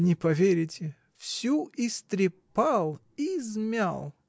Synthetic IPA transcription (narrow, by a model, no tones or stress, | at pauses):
nʲɪpɐvʲeɾʲɪtʲɪ | fsʲuɪst̪ɾʲɪpalˠ | izmʲalˠ